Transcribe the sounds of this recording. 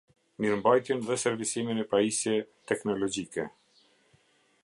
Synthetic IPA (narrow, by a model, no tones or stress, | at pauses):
miɾmbajt̪jɛnðɛsɛɾvisiminɛpaisjɛt̪ɛknɔlɔd͡ʑikɛ